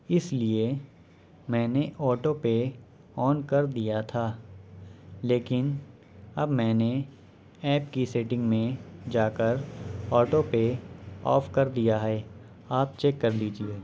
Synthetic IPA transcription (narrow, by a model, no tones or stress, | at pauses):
ɪslie | mɛ̃ːneʔɔːʈope | ɔːnkɐɾd̪ijat̪ʰaː | leːkɪn | ɐbmɛ̃ːne | ɛːpkiseːʈɪ̃ŋɡmẽd͡ʒaːkəɾɔːʈopeɔ̰ːfkɐɾd̪ijaɦɛː | aːp̚t͡ʃeːkːɐɾliːd͡ʒieː